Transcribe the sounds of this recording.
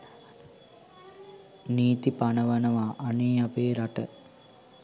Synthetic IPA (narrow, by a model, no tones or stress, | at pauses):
niːt̪ipanəʋənəʋaːʔaneːapeːɾaʈə